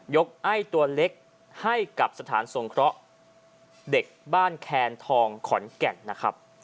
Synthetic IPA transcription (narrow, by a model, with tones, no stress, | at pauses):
jo˦˥k̚ʔa˥˩jt̪u˧ɐle˦˥k̚ | ha˥˩jka˨˩p̚sa˧t̪ʰa̰ː˩˦nso˨˩ŋkʰɾɔ˦˥ʔ | de˨˩k̚baː˥˩nkʰɛː˧nt̪ʰɔː˧ŋkʰɔ˩˦nkɛ˨˩nːa˦˥kʰɾa˦˥p̚